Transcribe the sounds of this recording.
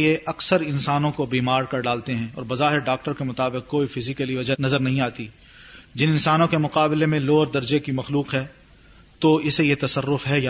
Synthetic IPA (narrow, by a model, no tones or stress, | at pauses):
jeʔɐksəɾɪnsaːnõkobiːmaːɾkɐɾɖaːlt̪eɦɛ̃ːɔ̰ːɾbɐzaːɦɪɾɖaːk̚ʈəɾkemʊt̪aːbɪq̚koːifɪzɪkəliʋɐd͡ʒanɐzəɾnɐɦĩaːt̪i | d͡ʒɪnɪ̃nsaːnõkemʊqaːblemẽloːɾd̪ɐɾd͡ʒekimɐxluːqɦɛː | t̪oɪsejet̪ɐsɐrːʊfɦɛja